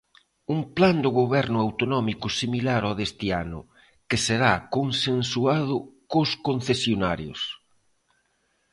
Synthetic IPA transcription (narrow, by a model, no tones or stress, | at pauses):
uŋpland̪ʊɣoβɛɾnʊawt̪onɔmikʊsimilaɾɔðest̪ɪanʊ̰ | kɪseɾakonsensuað̞ʊkoskon̟θesjonaɾjʊ̰s